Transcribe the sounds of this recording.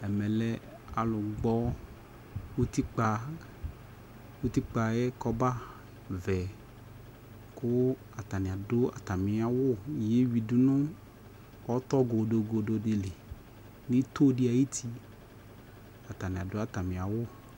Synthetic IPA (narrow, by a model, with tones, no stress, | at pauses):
ɛ˨mɛ˨lɛ˦ | a˨lʊ˨ɡ͡bɔ˦ | wu˦t̪i˦k͡pa˧ | wu˦t̪i˦k͡pa˨jɛ˦kɔ˦ba˦ | vɛ˨ | kʊ˦ | a˨t̪a˨nɪ̃˨a˨dʊ˦a̰˨t̪a˨mɪ̃˨˦a˨wʊ˦˨je˦wi˨du˦nʊ̃˦ | wɔ˦t̪ɔ˦ɡo˨do˨ɡo˨do˨de˨le˨ | nĩ˦t̪o˦dɪ˦a˨ji˦t̪ʰi˦ | a˨t̪a˨nɪ̃˨a˨dʊ˦a˨t̪a˨mĩ˨a˨wʊ˦˨